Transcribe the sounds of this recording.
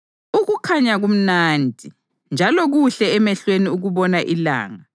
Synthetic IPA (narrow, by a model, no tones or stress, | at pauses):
uɣukʰaɲaɣum̩naːndʱi | nd͡ʒʱalɔɣuɬɛɛmɛɬweniuɣuβɔnaʔila̰ːŋa